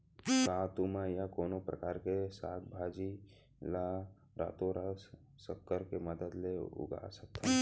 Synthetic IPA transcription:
kaːt̪umajakoːnopɾə̰kaːɾkesaːk̚bʱaːd͡ʒi | la | ɾa̰ːt̪oɾa | səkːəɾkeməd̪əd̪leʊ̰ɡa̰sək̚t̪ʰã

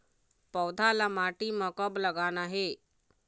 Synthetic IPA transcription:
pəwd̪ʱalamaʈiːməkəbləɡanaɦe

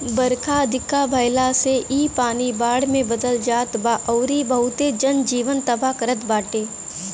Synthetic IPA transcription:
bəɾkaəd̪ʱɪkabʱəjlaseʔiːpaːnibaːɽmẽbəd̪əld͡ʒaːt̪baʔəːɾibɐɦʊt̪ed͡ʒənd͡ʒiːʋənt̪ɐbakəɾət̪baːʈeː

